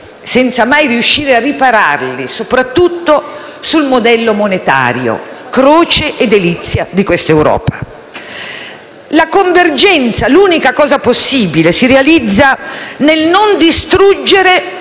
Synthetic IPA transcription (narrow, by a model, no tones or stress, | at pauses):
sɛnt̪samajriuʃːiːɾearːipaɾa̰rlisopɾat̪ːut̪ːosulmod̪ɛlːomonet̪a̰ːɾjo̰kɾoːt͡ʃeʔːd̪ːelit̪sːjad̪ikwest̪ewɾɔ̰ːpa | lakoɱverd͡ʒɛnt̪saluːnikakɔːzaposːiːbilesiɾealid̪zːanelnond̪ist̪ɾud͡ʒːeɾe